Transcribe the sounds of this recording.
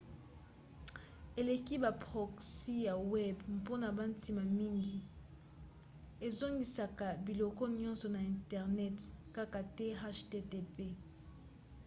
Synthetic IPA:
e˨le˨ki˦ba˨pʁo˨ksi˦ja˨wɛ˦bmpo˦na˨ba˦n˦ti˨ma˨mi˦ŋɡi˦ | e˨zo˦ŋɡi˨sa˨ka˨bi˨lo˨kɔ˦nɲɔ̃˦nsɔ˨na˨ɛ˨ntɛ˨ʁnɛ˦tka˦ka˨te˦ɦa˦ʃte˦te˦pe˦

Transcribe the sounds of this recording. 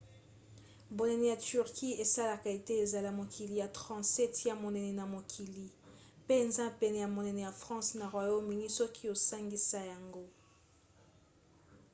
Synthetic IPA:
bo˨nɛ˨nɛ˨ja˨ty˨ʁki˦e˨sa˦la˨ka˨e˨te˦e˨za˨la˦mo˨kʰi˨li˨ja˨tʁɑ̃˨sɛ˦tja˦mo˨nɛ˨nɛ˨na˨mo˨kʰi˨li˨ | pe˦e˨nza˦pɛ˨nɛ˨ja˨mo˨nɛ˨nɛ˨ja˨fʁɑ̃˦sna˨ʁwa˨jo˦mi˨ni˦sɔ˦kʰi˦o˨sa˦ŋɡi˦sa˦ja˨ŋɡo˦

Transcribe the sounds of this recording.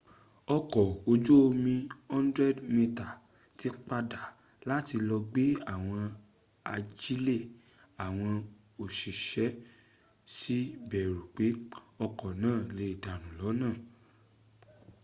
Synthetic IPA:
ɔ˧kɔ˨o˧d͡ʒo˦o˧mĩ˧hɔ̃˦ndɾɛ˦˨dmĩ˧ta˨ | ti˧˦k͡pa˧da˨ | la˦ti˧lɔ˧ɡ͡be˦a˦˨w̃ɔ̃˧ | a̰˧d͡ʒi˦le˦˨ | a˨w̃ɔ̃˧ | o˨ʃi˨ʃɛ˨˦ | si˦bɛ˨ɾu˨k͡pe˨˦ɔ˧kɔ˨nãː˦˨le˧i˨da˨nũ˨lɔ˨˦nãː˦˨

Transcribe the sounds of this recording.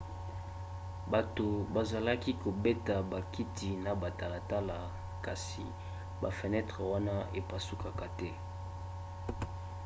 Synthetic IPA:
ba˨to˨ba˨za˨la˦ki˦ko˨be˦ta˨ba˨ki˦tʰi˨na˨ba˨ta˨la˨ta˦la˨ | ka˨sḭ˨ | ba˨fɛ˨nɛ˦tʁɛ˨wa˦na˦e˨pa˨su˦ka˨ka˨tɛ˦

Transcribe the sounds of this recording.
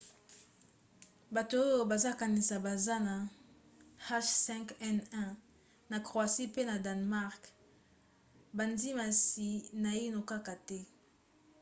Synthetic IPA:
ba˨to˨o˦jo˨ba˨za˦ka˨ni˨sa˨ba˨za˦na˨ | ha˦ʃsɛ̃˦ŋkɛ˦nɛ̃˦ | na˨kʁwa˨si˦pe˦na˨da˨nma˦ʁk | ba˨ndi˦ma˨si˨na˨i˦no˨ka˦ka˨tɛ˦

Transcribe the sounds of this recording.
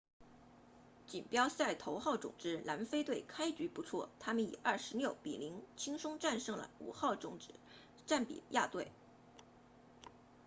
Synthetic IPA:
t͡ɕi˨˩npjɑ˥ʊsa˥˩ɪt̪ʰo˧˥ʊxɑ˥˩ʊʈ͡ʂʊ̰˨˩ŋʈ͡ʂɻ̩˥la˧˥nfe˥ɪt̪we˥˩ɪkʰa˥ɪt͡ɕy˧˥pu˧˥t͡sʰwɔ̰˥˩t̪ʰa˥mə˨nḭ˨˩ɐ˥˩ʂɻ̩˧˥ljo˥˩ʊpḭ˨˩li˧˥ŋt͡ɕʰi˥ŋʂʊ˥ŋʈ͡ʂa˥˧nʂɤ˥˩ŋlə̰˩ṵ˨˩xɑ˥˩ʊʈ͡ʂʊ˨˩ŋʈ͡ʂɻ̩˥˦ | ʈ͡ʂa˥˩npḭ˨˩˦ja˥˧t̪we˥˩ɪ

